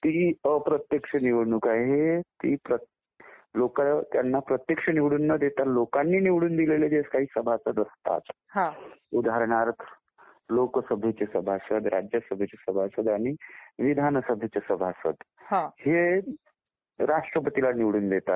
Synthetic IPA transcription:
t̪iːəpɾət̪jekʂəniʋɭɳukaɦet̪iːpɾə | lokat̪janːapɾət̪jəkʂəniʋɽuːnːəd̪et̪alokanːiːniʋɽuːnd̪ileled͡ʑeskaɦiːsəbʱasəd̪əst̪a̰t̪ | ɦãud̪aɦaɾɽ̃aɾt̪ʰ | lokəsəbʱjet͡ɕesəbʱasəd̪ɾʔa̰d͡ʑjəsəbʱjet͡ɕesəbʱasəd̪aɽ̃iʋid̪ʱanəsəbʱjet͡ɕesəbʱasə̰d̪ɦahe | ɾaʂʈɾəpət̪ilaniʋɽuːnd̪et̪at̪

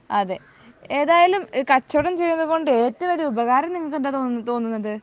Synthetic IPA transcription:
ɐðe̞ | eːðaːjɐlumkɐt͡ɕːɐɽɐmt͡ɕe̞jːunːɐðɨɣo̞ɳɖɨe̞ːtːɐɐmoɾuubɐɣaːɾɐmniŋːɐɭkːɐɳdet̪ot̪o̞ːnːunːɐðɨ

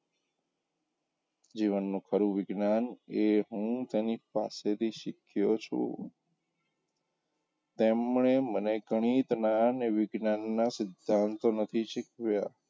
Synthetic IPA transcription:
d͡ʒiʋənːũkʰəɾuʋɪɡnaneɦũt̪enipa̰set̪ʰiʃɪkʰjot͡ʃʰṵ | t̪emɳeməneɡəɳ̃it̪naneʋɪɡnanːasɪd̪ʱːãnt̪onət̪ʰiʃɪkʋja

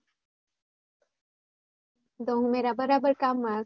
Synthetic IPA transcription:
d̪oɦũmeːɾabəɾaːbəɾkaːmːa

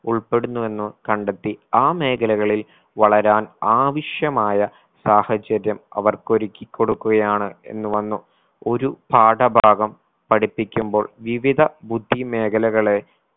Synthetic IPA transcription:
uɭpe̞ɽunːue̞nːɨkɐɳɖet̪ːiaːme̞ːkʰɐlɐɣɐɭil | ʋɐɭɐɾaːnaːʋiʂjɐmaːjɐ | saːhɐt͡ɕɐɾjɐmɐ̰ʋɐrko̞ɾikʲːikʲːo̞ɽukːuɣɐjaːɳɨe̞̰nːɨʋɐnːu | o̞ɾubʱaːʈɐbʱaːɡɐm | pɐɽipːikʲːumbo̞ːɭʋiʋid̪ʱɐbud̪ʱːime̞ːkɐlɐɣɐɭe̞

